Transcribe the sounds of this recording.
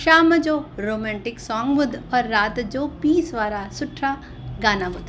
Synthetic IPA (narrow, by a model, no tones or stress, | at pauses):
ʃaːməd͡ʒoːɾoːmɛ̃ːɳʈɪksɔːŋɡʋʊd̪ʱɔːɾːaːt̪d͡ʒoːpiːsʋaːɾasʊʈʰɾaː | ɡaːnabʊd̪